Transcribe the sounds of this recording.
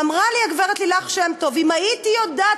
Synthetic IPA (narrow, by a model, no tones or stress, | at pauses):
amʁaliaɡveʁet̪lilaχʃemto̞vimaitijod̪a